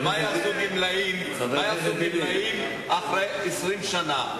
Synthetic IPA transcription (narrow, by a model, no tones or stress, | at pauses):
majazubimlaim | ajaumimaim | ʔaχʁe | esʁimʃana